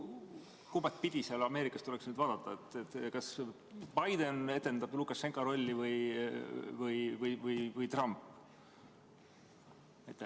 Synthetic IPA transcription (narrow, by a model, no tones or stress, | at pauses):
kubɑt̪̚pid̪̥ʲiseɑlɑme̞ːɾikːˑɑst̪ule̞ksnyːd̪vɑːd̪ɑt̪ːˑɑet̪ːˑet̪ːkɑs | bɑjd̪e̞ne̞t̪ːe̞nd̪ɑblukːˑɑsːeŋkɑɾo̞lʲːivɯj | vɯjvɯjvɯjvɯjt̪rɑmpː | et̪ːˑe